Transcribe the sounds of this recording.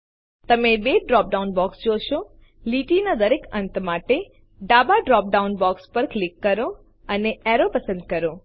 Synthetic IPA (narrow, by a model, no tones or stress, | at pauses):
t̪əmẽbeɖɾɔːp̚ɖaunbɔksd͡ʒoʃo | liːʈinad̪əɾekənt̪maʈe | ɖaːbaɖɾɔːp̚ɖaunbɔkspəɾklɪkːəɾo | əneɛɾopəsə̃nd̪̚kəɾo